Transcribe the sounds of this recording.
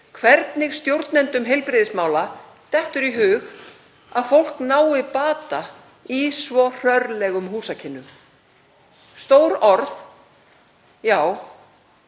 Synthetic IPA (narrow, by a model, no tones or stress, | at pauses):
kʰvɛɾt̪nɪɣst̪jowɾt̪nɛnt̪ʏmɦejlpɾɪðɪsmaːwla | t̪ɛht̪ʏɾiɦʏːx | aðfowl̥knaːwɪpaːt̪a | isvɔr̥œɾlɛɣʏmɦuːsacʰɪnːʏ | st̪owɾɔɾθ | jaːw